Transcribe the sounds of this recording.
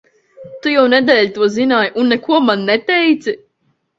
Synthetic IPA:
t̪ujawnɛd̪ɛːlʲt̪uɔzinaːjʔunːɛkuɔmanːɛt̪ɛjt̪si

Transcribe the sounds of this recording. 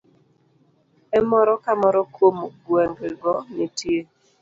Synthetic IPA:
ɛmɔɾɔkamɔɾɔkomɡwɛŋɡɡɔnitje

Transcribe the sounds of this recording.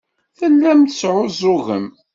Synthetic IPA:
θəlːæmθəsʕʊzˤʊɣə̰m

